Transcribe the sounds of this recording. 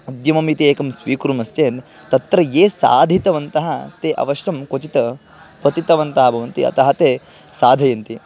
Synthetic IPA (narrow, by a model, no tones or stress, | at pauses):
ɐd̪jɐmɐmit̪ieːkɐmsʋiːkɾumɐst͡ʃeːn | t̪ɐt̪ɾɐjeːsa̰ːd̪ʱit̪ɐʋɐnt̪ɐɦɐt̪eːʔɐ̰ʋɐʃɾɐmkot͡ʃit̪ɐ | pɐt̪it̪ɐʋɐnt̪ɐɦɐbʱɐʋɐnt̪iɐ̰t̪ɐɦɐt̪eː | saːd̪ʱɐjɐnt̪i